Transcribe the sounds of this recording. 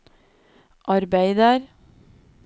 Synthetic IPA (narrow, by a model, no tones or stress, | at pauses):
ʔɑɾbæɪd̪əɾ